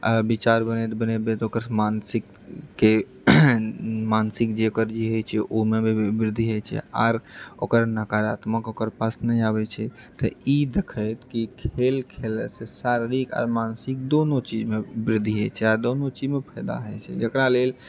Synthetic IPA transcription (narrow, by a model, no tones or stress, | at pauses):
bit͡ʃaɾbənɛt̪bənɛt̪̚bẽt̪okəɾmansikː | e | mansikd͡ʒeokəɾd͡ʒiɦəjt͡ʃʰɛʔomeibɾɪd̪ʱːiɦəjt͡ʃʰɛ̰a̰ːɾokəɾnakaɾat̪məkokəɾpasnəjabɛt͡ʃʰɛ | t̪ə̰id̪ekʰəjt̪kikʰelkʰelsesaɾɾika̰ːɾmansik̚d̪onot͡ʃid͡ʒmebɾɪd̪ʱːiɦət͡ʃʰɛaɾd̪onot͡ʃid͡ʒmepʰəɪd̪a̰ɦət͡ʃʰɛ̰d͡ʒəkɾalel